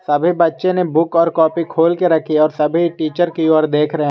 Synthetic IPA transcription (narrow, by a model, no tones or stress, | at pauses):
sɐbʱibɐtːʃẽnebʊkɔːɾkɔːpikʰoːlkeɾɐkʰiɔːɾsɐbʱiʈiːt͡ʃəɾkioːɾd̪eːkʰɾɐɦẽ